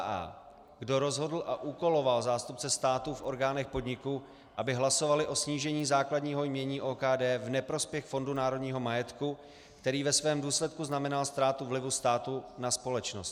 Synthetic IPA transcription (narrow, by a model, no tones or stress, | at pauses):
a̰ː | ɡdo̞ɾo̞zɦo̞dl̩ʔaʔuːko̞lo̞valzaːst̪up̚t͡sɛst̪aːt̪ufʔo̞ɾɡaːnɛxpo̞dɲɪku | ʔabɪɦlaso̞valɪʔo̞sɲiːʒɛɲiːzaːkladɲiːɦo̞jmɲɛɲiːʔoːkaːdɛːvnɛpɾo̞spjɛxfo̞ndunaːɾo̞dɲiːɦo̞majɛt̪ku | kt̪ɛɾiːvɛsvɛːmduːslɛt̪kuznamɛnalst̪ɾaːt̪uvlɪvust̪aːt̪unaspo̞lɛt͡ʃnost̪